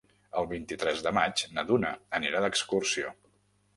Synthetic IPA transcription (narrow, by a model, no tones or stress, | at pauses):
əlˠβint̪it̪ɾɛzðəmad͡ʒnəðunə̰əniɾaðəkskursio̰